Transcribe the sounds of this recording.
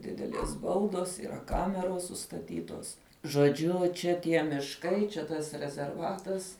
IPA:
ˈdʲɪdʲɛlʲiɛs ˈbɐʊdoːs iːˈrɐ ˈkɑːmʲɛroːs sʊstɐˈtʲiːtoːs ʒoːˈd͡ʒʲʊ ˈt͡ʃʲɛ ˈtʲiɛ mʲɪʃˈkɐɪ t͡ʃʲɛ ˈtɐs rʲɛzʲɛrˈʋɑːtɐs

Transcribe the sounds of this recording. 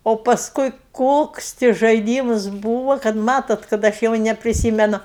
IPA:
oː pɐsˈkʊɪ ˈkoːks tʲɪ ʒɐɪˈdʲiːmʊs ˈbuːʋɐ kɐt ˈmɑːtoːt kɐt ˈɐʃ jɛʊ nʲɛpʲrʲɪˈsʲiːmʲɛnʊ

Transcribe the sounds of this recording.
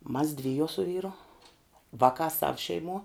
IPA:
mɐs ˈdʲʋʲɪjuɔ sʊ ˈʋʲiːrʊ ˈʋɑːkɑː sɐw ʃʲɛɪˈmuɔ

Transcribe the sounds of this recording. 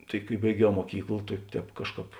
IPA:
tɐɪ kɐɪ bɐɪˈɡʲɛʊ muɔˈkʲiːklˠ tɐɪ ˈtʲɛːp ˈkɑːʃˌkɑːp

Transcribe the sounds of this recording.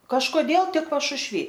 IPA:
kɐʃkoːˈdʲeːlˠ ˈtʲɪk pɐʃʊʃʲˈʋʲiː

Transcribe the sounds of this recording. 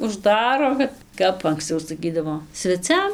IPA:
ʊʒˈdɑːroː ˈkɐt ˈkɐp ɐŋksˈt͡sɐʊ sɐˈkʲiːdɐʋoː sʲʋʲɛˈt͡sʲɛm

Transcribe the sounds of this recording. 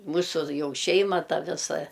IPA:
ˈmuːsʊ ˈjɛʊ ˈʃʲɛɪmɐ ˈtɐ ˈʋʲɪsɐ

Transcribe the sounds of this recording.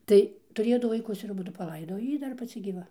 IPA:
ˈtɐɪ tʊˈrʲeːjoː ˈdʊ ʋɐɪˈkʊs ɪr ɐˈbʊdʊ pɐˈlˠɐɪdoːj oː ˈjiː ˈdɐr pɐˈt͡sʲɪ ɡʲiːˈʋɐ

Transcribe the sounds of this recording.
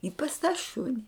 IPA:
ɪ pɐs tɑː ˈʃʊnʲɪ

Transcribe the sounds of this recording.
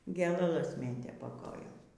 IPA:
ɡʲeːlˠɐˈlˠɐs ˈmʲeːtʲeː pɐ ˈkoːjoːm

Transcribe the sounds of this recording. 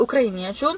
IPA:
ʊkrɐɪˈnʲiɛt͡ʃʲuː

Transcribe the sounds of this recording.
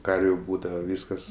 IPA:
ˈkɐrʲʋʲʊ ˈbuːdɐʋɐ ˈʋʲiːskɐs

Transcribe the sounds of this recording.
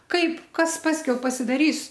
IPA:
ˈkɐɪp ˈkɐs ˈpɑːsʲkʲɛʊ pɐsʲɪdɐˈrʲiːs

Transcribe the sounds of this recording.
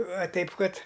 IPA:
ɐˈtʲɛɪp ˈkɐt

